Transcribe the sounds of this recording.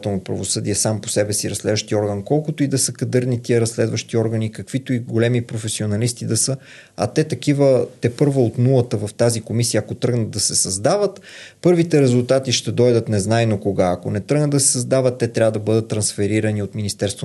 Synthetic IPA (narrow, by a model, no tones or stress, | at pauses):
t̪ɛlˠnopɾɐ̰vosɤd̪iɛsampo̥sɛbɛsiɾɐslɛd̪vəʃt̪iɔɾɡənkɔlˠkot̪oid̪ɐsəkɐd̪ɤɾnit̪iəɾɐslɛd̪vəʃt̪iɔɾɡənikɐkv̥it̪oiɡolɛmipɾofɛsionɐlist̪id̪ɐsɤ | ɐ̰t̪ɛt̪ɐk̟ivət̪ɛpɤɾvəot̪nulˠət̪əvɐft̪azikomisijəːkot̪ɾɤɡnəd̪̚d̪ɐsɛsɐzd̪avət̪pɤɾvit̪ɛɾɛzulˠt̪at̪iʃt̪ɛd̪ɔjd̪ət̪nɛznajnokoɡaɐkonɛt̪ɾəɡnəd̪ːɐsɛ̥səzd̪avət̪ːɛt̪ɾʲavəd̪ɐbɤd̪ət̪ːɾɐnsfɛɾiɾəniot̪minist̪ɛɾst̪vo